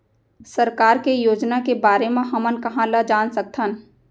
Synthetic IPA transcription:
səɾkaːɾkejoːd͡ʒnakebaːɾemẽɦɐmənkɐɦãlɐd͡ʒaːnsək̚t̪ʰən

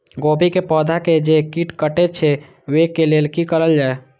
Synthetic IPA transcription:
ɡopikepɔd̪ʱaked͡ʒekiʈkəʈet͡ʃʰɛ | ʋekelelkikəɾəld͡ʒae

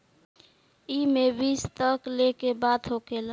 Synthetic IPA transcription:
imebist̪əklekebad̪ɦokel

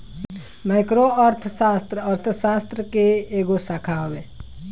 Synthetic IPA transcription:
maɪkɾoəɾt̪ʰəsast̪ɾəəɾt̪ʰəsast̪ɾəkeeɡosakʰaɦobe

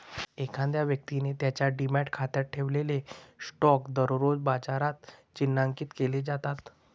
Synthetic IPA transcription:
ekʰãnd̪jaʋjək̚t̪inet̪jat͡ɕjaɖimæʈkʰat̪əʈʰeʋlelesʈɔkd̪əɾɾod͡zbad͡zaɾat̪t͡ɕinːaŋkiːt̪keled͡zat̪at̪

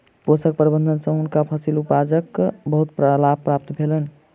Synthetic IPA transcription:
posək̚pɾibənd̪ʱənsə̃ɦunkapʰəsilupad͡ʒəkbəɦut̪pɾəlapːɾap̚t̪bʱelən

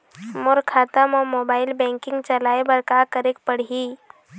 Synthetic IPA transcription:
mʊɾkʰaːt̪amomoːbaːɪlbɛ̃ːŋkɪ̃ŋɡt͡ʃɐlaːebɐɾkakəɾek̚pəɽ̤ɦiː

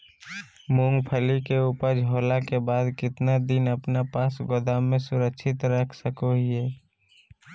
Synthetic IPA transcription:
mõŋɡpʰəlikeuːpəɾd͡ʒʱoːlakebaːd̪kɪt̪nad̪ɪnəpnapaːsɡod̪amẽsʊɾəkʃʰɪt̪ɾəkʰsəkoɦiɛː

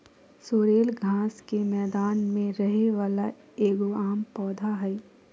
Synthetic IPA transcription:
soːɾeːlɡʱaːskemɛːd̪aːnmẽɾɐɦeʋaːla | eːɡoaːmpɔːd̪ʱaɦɛː

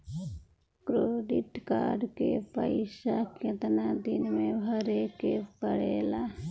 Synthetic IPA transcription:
kɾoːɖiʈka̰ːɖkḛpə̰ɪsaket̪nad̪ɪnmẽbʱəɾekepəɽeːla

